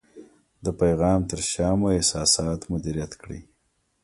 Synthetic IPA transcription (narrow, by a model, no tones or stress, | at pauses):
d̪əpajɣɑːmt̪əɾʃɑːmoɪsɑsɑːt̪mʊd̪iɾijat̪kɽḭ